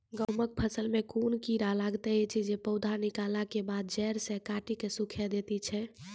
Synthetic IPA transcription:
ɡəmək̚pʰəsəlmekunkiɾalaɡt̪ɛt͡ʃʰid͡ʒepəʊd̪ʱanikalakebad̪̚d͡ʒɛɾsẽkaʈikesukʰɛd̪et̪it͡ʃʰɛ

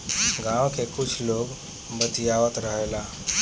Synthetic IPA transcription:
ɡãwkekut͡ʃʰloɡ | bət̪ijaʋət̪ɾəɦela

